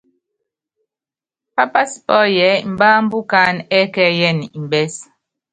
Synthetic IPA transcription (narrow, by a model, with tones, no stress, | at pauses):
pa˦pa˦spɔ˦jɛ˨˦m̩˨ba˦m̩˦bu˦ka˦nɛ˦kɛ˦jɛ˦˨ni˨m˨bɛ˦s